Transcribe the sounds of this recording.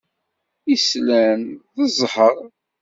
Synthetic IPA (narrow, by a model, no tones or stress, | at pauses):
islænðəzˤħəɾˤ